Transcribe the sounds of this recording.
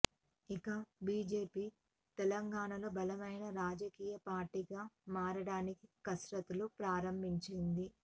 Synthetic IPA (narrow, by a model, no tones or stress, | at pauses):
ikɐbiːd͡ʒe̞ːpiː | t̪ɛlɐŋɡaːɳɐloːbɐlɐmɐjnɐɾaːd͡ʒɐkiːjɐpaːɾʈiɡaːmaːɾɐɽaːnikikɐsɾɐt̪ulupɾaːɾɐmbʱiɲt͡ʃind̪i